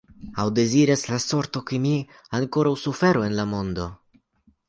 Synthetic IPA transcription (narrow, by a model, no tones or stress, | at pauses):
awde̞ziɾaslaso̞ɾt̪o̞kemi | aŋko̞ɾawsufe̞ɾoe̞nlamo̞nd̪o̞